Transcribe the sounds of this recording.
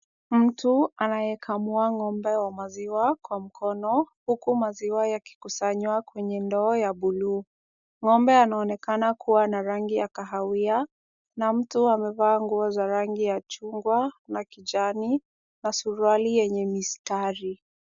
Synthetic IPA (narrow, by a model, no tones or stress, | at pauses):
m̩tʰuanajɛkʰamuaŋɔmbɛwamaziwakwam̩kʰɔnɔhukumaziwajaki̥kusaɲwakwɛɲɛndɔːjaɓulu | ŋɔmbɛanaɔnɛkanakʰuwanaɾaŋɡijakaɦawia | nam̩tuamɛvaːŋɡuɔzaɾaŋɡijat͡ʃuŋɡwanakid͡ʒani | nasuɾualijɛɲɛmistaɾi